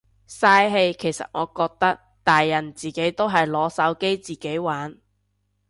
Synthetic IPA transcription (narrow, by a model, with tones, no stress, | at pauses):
saː˧jɦe˧jkʰe˨˩jsɐ̰˨t̚ŋɔː˨˧kɔː˧k̚t̪ɐ˥k̚ | t̪aː˨jːɐ˨˩nt͡siː˨ke˨˥jt̪o˥wɦɐ˨jlɔː˨˥sɐ˨˥wke˥jt͡siː˨ke˨˥jwaː˨˥n